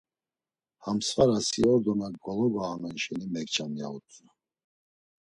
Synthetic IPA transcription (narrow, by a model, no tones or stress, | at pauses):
hamsvaɾasiɔɾd̪ɔnaɡɡɔlɔɡaamanʃɛnimɛkt͡ʃʰamia̰ut͡sʼna